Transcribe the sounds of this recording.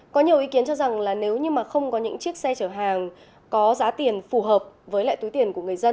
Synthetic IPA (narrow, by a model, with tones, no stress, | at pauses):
kɔ˨˦ɲi˨˩əwʔi˨˦ki˨˦ənt͡ɕɔ˧za˨˩ŋlaː˨˩ne˨˦wɲɨ˧maː˨˩xə˧wŋ͡mkɔ˨˦ɲɨ̰˧˥ŋt͡ɕi˦˥ək̚sɛ˧t͡ɕəː˧˩ɦaː˨˩ŋ | kɔ˨˦zaː˨˦t̪i˨˩ənfu˨˩ɦəː˨˩p̚vəː˨˦jla̰ː˧˨t̪u˨˦jt̪i˨˩ənku˧˩əŋɨ˨˩əjzə˧n